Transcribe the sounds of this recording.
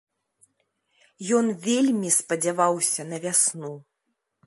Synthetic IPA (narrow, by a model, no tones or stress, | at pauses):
jɔnvʲelʲmʲispɐd͡zʲavawsʲɐnɐvʲasnu